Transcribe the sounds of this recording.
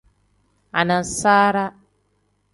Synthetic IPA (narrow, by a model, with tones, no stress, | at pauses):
a̰˨na˨nsaː˦ɾa˦